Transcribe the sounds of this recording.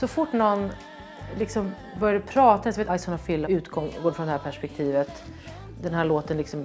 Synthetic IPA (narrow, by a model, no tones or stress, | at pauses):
sɔfʊʈːnɔnː | lɪksɔm | bœɾjaɛpʰɾɑːt̪aɛsɔveːt̪ajsʊːnafɪlːaʉ̟ːt̪ɡɔŋɡoːɾfɾɔnd̪ɛhæːɾpʰæʂpɛk̚t̪ʰiːvət̪ | d̪ɛnɦæːɭoːt̪ənlɪksɔm